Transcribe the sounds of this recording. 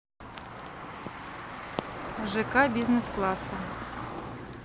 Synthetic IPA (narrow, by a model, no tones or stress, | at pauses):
ʒɛkɑbʲiznesklˠɑsɐ